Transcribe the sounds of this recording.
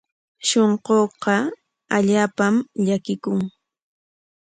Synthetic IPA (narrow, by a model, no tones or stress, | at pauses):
ʃoɴqoːqɑ | aʎaːpamʎakɪkʊŋ